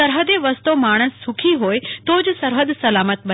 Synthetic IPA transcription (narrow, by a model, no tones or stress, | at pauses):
ɐɾɦəd̪eʋəst̪omaːɽ̃əsːʊkʰiɦoːet̪oːd͡ʑsɐɾɦəd̪sɐlaːmət̪̚ɓɐ